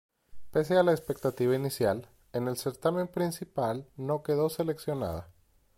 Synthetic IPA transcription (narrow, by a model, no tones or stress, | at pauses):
pes̬ealaespe̞k̚t̪at̪iβainisjal | e̞ne̞lse̞ɾt̪amẽ̞mpɾinsipalno̞ke̞ðo̞se̞le̞ksjo̞na̰ða̰